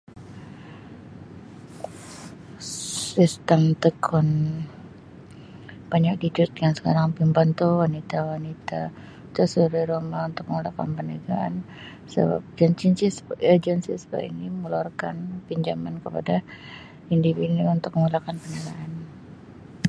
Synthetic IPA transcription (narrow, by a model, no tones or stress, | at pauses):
sist̪əmt̪əkʰʊn | b̥aɲak̚did͡ʒut̪̚kansə̥kaɾaŋpimbant̪uwanit̪awanit̪a | t̪asuɾiɾomaunt̪ʊk̚məŋulakanpənəɡaʔa̰n | sə̰ba̰p̚d͡ʒant͡ʃinsisəd͡ʒənsḭspa̰ḭniməlɔrka̰npiɲd͡ʒamankəpa̰da | individuunt̪ʊk̚məŋulakanpənəɡaʔan